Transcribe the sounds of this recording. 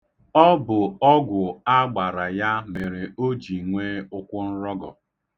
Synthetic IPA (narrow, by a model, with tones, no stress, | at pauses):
ɔ˦bʊ˨ɔ˦ɡʷʊ˨a˦ɡ͡ba˨ɾa˨ja˦me˨ɾe˨o˦d͡ʒi˨ŋʷe˦ʊ˦kʷʊ˦n̩˦ɾɔ˦ɡɔ̰˨